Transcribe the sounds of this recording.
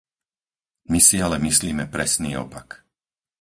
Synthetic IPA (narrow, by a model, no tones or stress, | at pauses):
misialɛmisliːmɛpɾɛsniːɔ̰pak